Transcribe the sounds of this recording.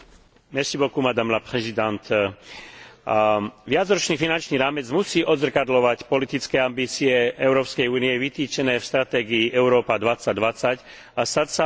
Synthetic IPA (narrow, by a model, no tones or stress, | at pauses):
mɛʃibɔkumad̪amlapɾɛzid̪ant̪ | ʋɪad͡zɾɔt͡ʃniːfinant͡ʃniːɾaːmɛd͡zmusiːʔɔd̪zr̩kad̪lɔʋacpɔlit̪it͡skɛambiːt͡siɛʔɛʊɾɔːpskɛjuːnijɛʋit̪iːt͡ʃɛnɛːfst̪ɾat̪ɛːɡiːʔɛʊɾɔːpad̪ʋat͡saɟ̚d̪ʋat͡sac | ast̪acsa